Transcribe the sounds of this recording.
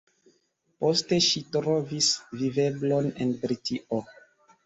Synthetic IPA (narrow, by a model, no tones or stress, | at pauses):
po̞ste̞ʃitɾo̞visvive̞blo̞ne̞̰nbɾitiʔo